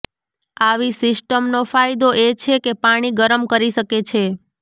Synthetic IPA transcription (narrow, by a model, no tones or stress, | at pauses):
aʋisɪsʈəmnofajd̪oʔet͡ʃʰekepaɽ̃iɡəɾəmkəɾiʃəket͡ʃʰe